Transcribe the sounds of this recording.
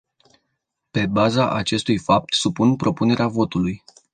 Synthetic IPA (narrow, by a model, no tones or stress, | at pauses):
pe̞bazaʔat͡ʃe̞st̪ujfap̚t̪supunpɾo̞pune̞ɾeavo̞t̪uluj